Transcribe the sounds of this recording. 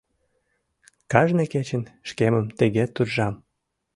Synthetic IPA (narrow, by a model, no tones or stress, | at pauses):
kɑʒneket͡ɕə̆nʃkeməmt̪əɣet̪urʒɑm